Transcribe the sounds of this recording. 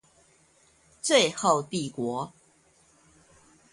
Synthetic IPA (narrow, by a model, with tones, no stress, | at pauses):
t͡swe˥˨ɪxo˥˨ʊt̪i˥˨kwɔ˨˧˦